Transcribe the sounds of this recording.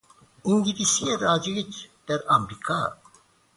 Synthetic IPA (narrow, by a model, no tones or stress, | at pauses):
iŋɡiɾisieɾad͡ʒiɣit͡ʃd̪̥ɛɾamɾikʰa